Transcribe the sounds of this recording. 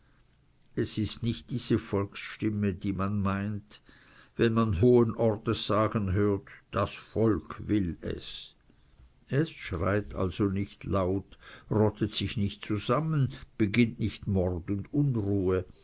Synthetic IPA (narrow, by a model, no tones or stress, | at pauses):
ɛsɪstnɪçt̚d̥iːz̥əfɔlksʃtɪmədiːmanmaɪnt | vɛnmanɦoːənʔɔʁtəsz̥aːɡənɦøːɐtd̥asfɔlkʰvɪlɛ̰s | ɛsʃʁa̰ɪtʰa̰lz̥onɪçtlaʊtʁɔtʰətsɪçnɪçtt͡suzamənb̥əɡɪntnɪçtmɔʁtʊndʊnʁuːə